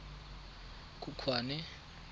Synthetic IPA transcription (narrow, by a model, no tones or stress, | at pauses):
kʼukʰwaːnɛ